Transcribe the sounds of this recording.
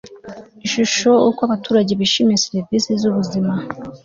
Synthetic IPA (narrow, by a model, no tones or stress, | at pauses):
inʃuʃo̞ukwaβatuːɾaɟe̞βiʃimijeseɾɾɾvisizuβuzima